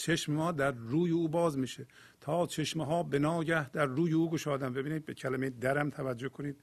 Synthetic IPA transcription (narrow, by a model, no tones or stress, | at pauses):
t͡ʃʰeʃmemɒːd̪æɾːuːjeuːbɒːzmiːʃe | t̪ʰɒːt͡ʃʰe̞ʃmeɦɒːbenɒːɟæhd̪æɾːuːjeuːɡoʃɒːd̪æmbe̞biːniːd̪̚be̞cʰælæmejed̪æɾæmt̪ʰævæd͡ʒːohkʰo̞niːd̪̥̚